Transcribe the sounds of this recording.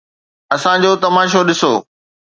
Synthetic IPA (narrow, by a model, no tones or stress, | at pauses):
ɐsãd͡ʑoːt̪ɐmaːʃ̬oɗɪso̰ː